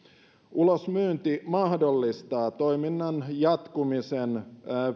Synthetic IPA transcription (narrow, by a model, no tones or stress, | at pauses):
ulosmyːnt̪imɑhdolːist̪ɑːt̪oiminːɑnjɑt̪kumisen